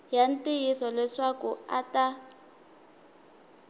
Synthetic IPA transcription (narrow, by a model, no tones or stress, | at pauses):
jan̩tʼɪjisɔlɛʂakʊa̰ta